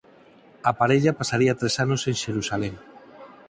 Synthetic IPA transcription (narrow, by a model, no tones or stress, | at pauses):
apaɾeʎapasaɾiat̪ɾesanoseŋʃeɾusaleŋ